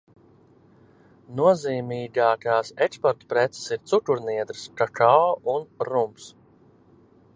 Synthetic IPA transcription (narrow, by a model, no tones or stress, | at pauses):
nuɔziːmiːɡaːkaːsɛkspɔɾt̪u̥pɾɛt̪sɛ̥siɾt̪sukuɾniɛd̪ɾɨskakaunɾumps